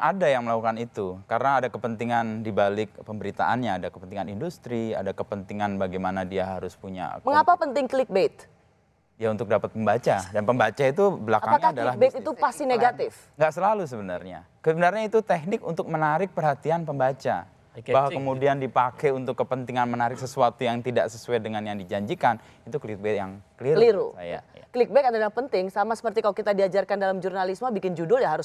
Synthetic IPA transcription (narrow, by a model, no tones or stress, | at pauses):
ʔadajaŋməlakukanit̪ukaɾənaːdakəpənt̪iŋandibalɪk̚pəmbəɾit̪a̰ʔa̰nɲaːdakəpənt̪iŋanindust̪ɾia̰dakəpənt̪iŋanbaɡajmanadiaɦaɾʊspuɲa̰məŋapapənt̪ɪŋklɪk̚bet̪̚ | ijaunt̪ʊk̚dapat̪̚məmbat͡ʃadanpəmbat͡ʃait̪ubəlakaaaɲaadalahbt̪it̪upast̪ineɡat̪ɪf | ŋɡaʔsəlalus̬əbənarɲa̰ | səbənarɲait̪ut̪ɛk̚nɪkunt̪ʊk̚mənaɾɪk̚pərɦat̪ianpəmbat͡ʃa̰ | baɦwakəmudiandipakɛjunt̪ʊkːəpənt̪iŋanmənaɾɪksəsuat̪ujaŋt̪ida̰ʔsəsuajdəŋanjaŋdid͡ʒaɲd͡ʒikan | it̪uklik̚bɛtja̰ŋkəliɾəliɾṵsaja̰klik̚bɛkadajapənt̪ɪŋsamasə̥pərt̪ikalokit̪adiad͡ʒarkandalamd͡ʒurnalismabikɪnd͡ʒudʊljaɦaɾʊs